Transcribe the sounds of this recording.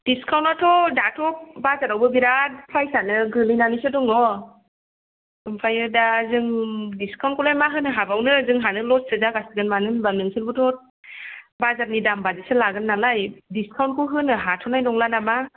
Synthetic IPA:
d̥iskʰawntatʰɔdatʰɔbazaɾawbɯbiɾat̚pʰɾajsanɯɡɯlɯjnanisɯdɔŋɔ | ɯmpʰajɯdazɯŋdiskʰawnkʰɔlajmaɦɯnɯɦabawnɯzɯŋɦanɯlɔssɯzaɡasiɡɯnmanɯnbanɯŋsʰɯɾbɯtʰɔ | bazaɾ̚nidambadisɯlaɡɯnːalajdiskʰawnt̚kʰɯɦɯnːɯɦatʰɔnajnɔŋlanama

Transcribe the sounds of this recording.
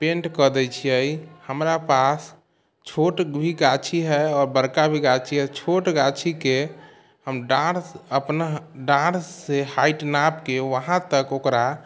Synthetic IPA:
pẽɳʈkəd̪ɛt͡ʃʰijəjhəmɾapas | t͡ʃʰoʈbʱiɡat͡ʃʰiɦɛɔːɾbəɾkabʱiɡat͡ʃʰiɦɛt͡ʃʰoʈɡat͡ʃʰike | ɦəmɖãɽəpnaɖãɽsehaiʈnapkeʋəɦãt̪əkokɾa

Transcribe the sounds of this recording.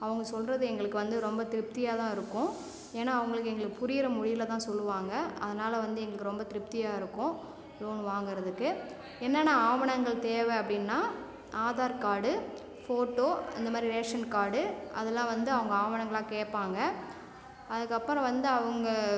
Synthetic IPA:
ɐʋɐŋɡɐsɔlrɐðɯɛŋɡɐɭɯkːɯʋɐnd̪ɯɾɔmbɐt̪ɪɾɯp̚t̪ɪjaːt̪ãːɪɾɯkːʊ̃ | eːnːaːʋɐŋɡɐɭɯkːɛŋɡɐɭɯkːɯpʊɾɪjɪɾɐmʊɻɪjɪlɐt̪ãːsɔlːɯʋaːŋɡɐʔɐ̰ðɐnaːlɐʋɐnd̪ɯɛŋɡɐɭɯkːɯɾɔmbɐt̪ɪɾɯp̚t̪ɪjaːɪɾɯkːʊ̃ | luːnʋaːŋɡɪɾɐðɯkːɯ | ɛnːɐnãːaːʋɐɳɐŋɡɐɭt̪eːʋeɐpːɐɽɪnːaː | ʔaːðaːɾkaːɽɯ | foːʈːoːɐ̰nd̪ɐmaːd̪ɾiɾeːʂɐnkaːɽɯɐðɛlːãːʋɐnd̪ɯɐʋɐŋɡɐaːʋɐɳɐŋɡɐɭãːkeːʈpːaːŋɡɐ | ɐðɯkːɐpːɐɾɐ̃ʋɐnd̪ɯɐʋɐŋɡɐ

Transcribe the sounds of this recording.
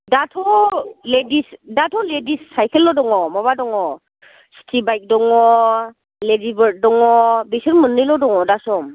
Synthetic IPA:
datʰɔledisdatʰɔledisːajkʰelːɔdɔŋɔmɔβadɔŋɔ | stʰibajk̚dɔŋɔ | ledibəɾt̚dɔŋɔbisɔnmɯnːɯlɔdɔŋɔdasɔm

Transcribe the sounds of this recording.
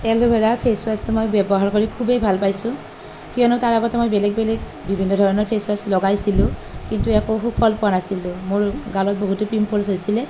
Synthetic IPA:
ɛlʊbʱɛɹapʰeswastʊmojbɛbɔɦaɹkoɹikʰubejbʱalpajsʊ̃ | kijɔnɔtaɹaɡɔtɛmojbɛlɛɡ̚bɛlɛɡ | bibʱinːɔdʱɔɹɔnɔɹpʰeswaslɔɡajsilʊ̃kintuɛkoxupʰɔlpʊanasilʊ̃mʊɹɡalɔt̚boɦutʊpimpʰɔlsojsilɛ

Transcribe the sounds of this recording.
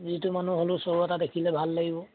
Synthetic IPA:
zitumanuɦolʊsoɹuɔtadekʰilɛbʱalːaɡibɔ

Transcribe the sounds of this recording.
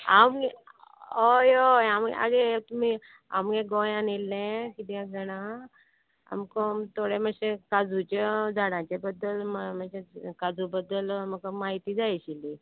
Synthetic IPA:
amɡeojoamɡ̰a̰ɡet̪umi | a̰mɡeɡojãnilːẽkid̪jãɡəɽ̃a | a̰mkot̪ʰoɽeməɕekad͡zut͡ɕed͡zaɽãt͡ɕebəd̪ːəlmməsekad͡zubəd̪əlməɡəmaɦit̪id͡zajɕili

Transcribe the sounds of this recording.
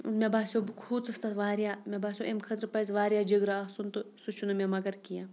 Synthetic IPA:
mʲebaːsʲobɨkʰuːt͡sɨst̪ɐt̪ʋaːɾjaːmʲebaːsʲoʔemkʰɐt̪ɾpɐzʋaːɾjaːd͡ʒiɡɾaɐsunt̪ɨsut͡ʃʰunumemɐɡɐɾkijãː

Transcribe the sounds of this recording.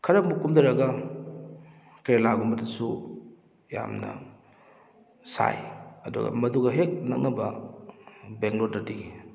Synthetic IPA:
kʰɐɾɐmukumdɐɾɐɡɐ | keɾlaɡumbɐdɐsu | ja̰mnɐ̰ | sa̰jɐdṵɡɐ̰mɐduɡɐɦek̚nɐ̰k̚nɐbɐ | beŋɡloɐdiɡi

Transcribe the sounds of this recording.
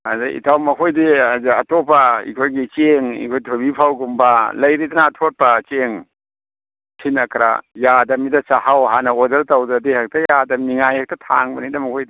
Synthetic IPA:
azaʔḭtʰawmɐkʰojdiaziɐtopaḭkʰojɡit͡ʃeŋḭkʰojtʰobipʰawɡumbɐlɐjɾidɐnɐːtʰot̚pɐt͡ʃeŋ | kʰinɐkʰɾa̰jadɐmidɐt͡ʃahawɦanɐodɐɾtɐwdɾɐdihɐk̚tɐjadɐmiŋajhak̚tɐtʰa̰ŋbɐ̰nidɐmɐkʰojdi

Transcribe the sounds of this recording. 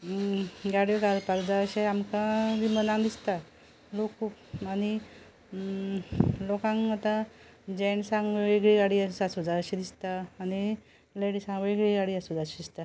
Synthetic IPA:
ɡaɽieɡalpakd͡zaəɕeamkãd̪imənãŋd̪ist̪a | lokupani | lɔkãŋat̪a | d͡ʑɛɳsãŋɡeɡɭiɡaɽiasasud͡zaɕed̪ist̪aːni | leɽisãŋɡʋeɡɭiɡaɽiasud͡zaɕed̪ist̪a

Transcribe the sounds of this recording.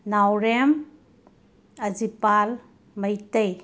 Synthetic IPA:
nawɾem | ɐd͡ʒipal | məjtəj

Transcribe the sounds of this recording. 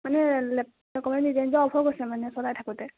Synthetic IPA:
manɛl | ɛkɔmndizenzɔɔpʰɔɹɡɔsɛmanɛsɔdajtʰakutɛ

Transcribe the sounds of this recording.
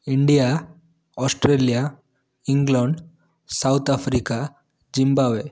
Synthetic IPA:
iɳɖija | ɔsʈɾeːlija | iŋɡlaɳɖ | sawt̪ʰapʰɾika | d͡ʒimbaːʋe

